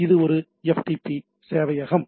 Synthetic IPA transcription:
ɪðɯɔɾɯ | ɛfʈ̪ipːi | seːʋɐjɐɣɐm

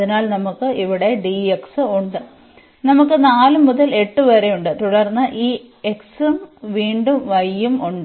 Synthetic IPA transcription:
ɐðinaːlnɐmukːɨʔiʋiɽe̞ɖieksɨuɳɖɨ | nɐmukːɨnaːlɨmuðɐle̞ʈːɨʋɐɾe̞juɳɖɨt̪uɽɐrnːɐʔiː | eksumʋiːɳɖumʋɐjːumuɳɖɨ

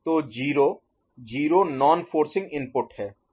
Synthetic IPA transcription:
t̪oːd͡ʒiːɾoː | d͡ʒiːɾoːnɔːnfʰoːɾsɪ̃ŋɡɪ̃npʊʈhɛː

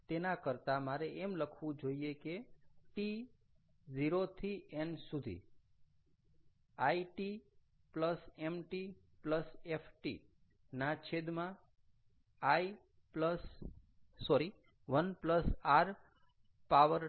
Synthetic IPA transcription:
t̪enakəɾt̪amaɾeemləkʰʋũd͡ʒoiekeʈi | ziɾot̪ʰiensud̪ʱḭ | aiʈi | pləsemʈipləsefʰʈḭ | nat͡ʃʰed̪mã | ai | pləsː | ɔɾi | ʋənpləsaɾ | paʋəɾ

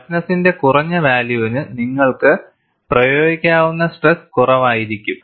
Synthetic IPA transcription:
snɐsinde̞kurɐɲːɐʋaːljuʋinɨniŋːɐɭkɨ | prɐjo̞ːɡikʲːaːʋunːɐsʈreskurɐʋaːjiɾikʲːum

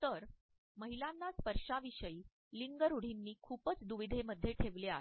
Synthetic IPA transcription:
t̪əɾ | məɦilanːaspəɾʂaʋiɕəiː | liŋɡəɾuɽ̤inːiːkʰuːpət͡sd̪uʋid̪ʱeməd̪ʱjeʈʰeʋlea̰e

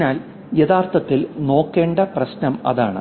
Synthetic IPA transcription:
naːl | jeðaːrt̪ɐt̪ːilno̞ːkːe̞ːɳɖɐprɐɕnɐmɐ̰ðaːɳɨ̰

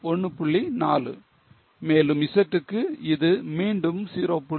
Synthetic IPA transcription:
ɔɳːɯpʊɭːinaːlɯ̰ | meːlɯmɪsɐʈ̪ːɯkːɯɪðɯmiːɳɖɯmsiːɾopːʊ

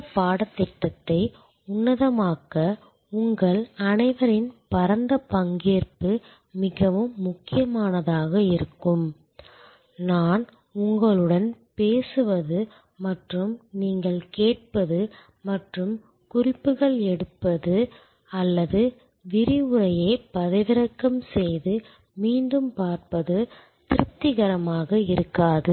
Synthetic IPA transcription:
ɐpaːɽɐt̪ːɛʈːɐt̪ːɐɪ | ʊnːɐðɐmaːɣɐ | ʊŋɡɐɭɐnɐɪʋɐɾɪnpɐɾɐnd̪ɐpɐŋɡeːrpɯ | mɪɣɐʋɯmːʊkːɪjɐmaːnɐðaːɣɐɪɾɯkːɯm | naːn | ʊŋɡɐɭɯɽɐnpeːsɯʋɐðɯ | mɐʈrɯmniːŋɡɐɭkeːʈ̚pɐðɯ | mɐʈrɯm | kʊrɪpːɯɣɐɭɛɽɯpːɐðɯ | ɐlːɐðɯ | ʋɪɾɪɯɾɐjeːpɐðɐʋɪɾɐkːɐmsɛjðɯ | miːɳɖɯmpaːɾpɐðɯ | t̪ɪɾɯp̚t̪ːɪɣɐɾɐmaːɣɐɪɾɯkːaːðɯ

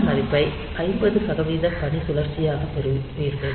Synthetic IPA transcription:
mɐɾɪpːɐɪ | ʔɐɪmbɐðɯsɐɣɐʋiːðɐpɐɳisʊlɐɾt͡ʃːɪjaːɣɐpɛɾɯʋiɾðɯ

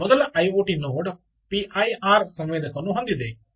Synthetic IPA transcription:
ɔd̪ɐlʔɐjoːʈinːoʋoɖ | piʔajʔaːɾsɐ̃mʋeːd̪ʱɐkɐnuɦɐ̃nd̪id̪e

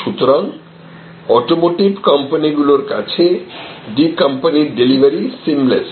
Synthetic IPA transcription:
ʃut̪oɾaŋ | ɔʈomoʈibkɐmpaniɡuloɾkat͡ɕʰeɖikɐmpaniɾɖelibʱaɾisimles

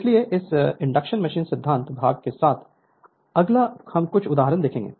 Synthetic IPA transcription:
slieʔɪsɪ̃ɳɖəkʃənmɐʃiːnsɪd̪ʱːãːnt̪bʱa̰ːɡ̚kesaːt̪ʰ | ɐɡlahɐmkʊt͡ʃʰʊd̪aːɦəɾənd̪eːkʰẽːŋɡḛː

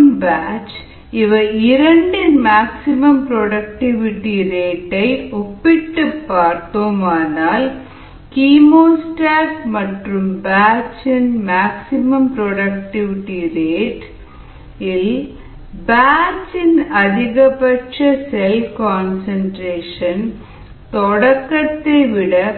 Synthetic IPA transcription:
mbaːt͡ʃ | ɪʋɐɪɾɐɳɖɪnmaːksɪmɐmpɾɔɽɐk̚ʈɪʋɪʈiɾeːʈːɐɪɔpːɪʈːɯpːaːɾt̪oːmaːnaːl | kiːmoːsʈaːkmɐʈrɯmbaːt͡ʃɪnmaːksɪmɐmpɾɔɽɐk̚ʈɪʋɪʈːiɾeːʈ | ɪl | baːt͡ʃɪnɐðɪɣɐpɐʈʂɐsɛlkaːnsɐnʈɾeːʂɐn | t̪ɔɽɐkːɐt̪ːeɪʋɪɽɐ

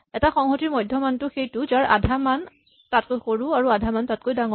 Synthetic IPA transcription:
ɛtaxɔŋxɔtiɹmɔjdʱjɔmantʊxejtʊzaɹʔa̰dʱaman | tatkojxoɹũaɹuadʱamantat̚kojdaŋɔ

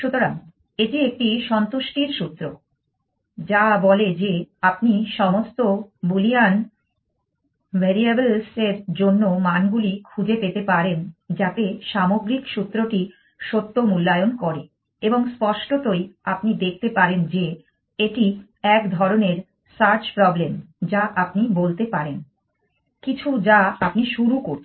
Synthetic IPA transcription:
ʃut̪oɾaŋ | eʈiek̚ʈiʃɔnt̪oʃʈiɾʃut̪ːɾo | d͡ʑabɔled͡ʑeap̚niʃɔmost̪obulian | bʱeɾiabelseɾd͡ʑonːomanɡulikʰud͡ʑepet̪epaɾend͡ʑat̪eʃamoɡɾikʃut̪ːɾoʈi | ʃot̪ːomulːajonkɔɾe | eboŋspɔʃʈot̪ojapnid̪ek̚ʰt̪epaɾend͡ʑe | eʈi | ɛkd̪ʱɔɾoneɾ | saɾd͡ʑpɾɔblemd͡ʑaʔapnibolt̪epaɾen | kit͡ɕʰud͡ʑaapniʃuɾukoɾʰ

